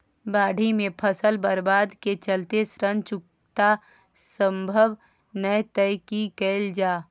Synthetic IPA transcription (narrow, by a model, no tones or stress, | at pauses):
baːɖʱimẽpʰəsəlbəɾbaːd̪ket͡ʃəlt̪esɾənt͡ʃʊk̚ | t̪a | sə̃mbʱəʋ | nəjt̪əjkikəːld͡ʒaː